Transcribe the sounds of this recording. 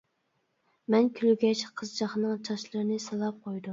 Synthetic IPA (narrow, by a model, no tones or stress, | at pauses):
mɛnkʲʰylɡʲɛt͡ʃqʰəzd͡ʒɑχnɨŋt͡ʃʰɑʃlˠɨɾɨnɨsɨlˠɑp̚qʰojd̪um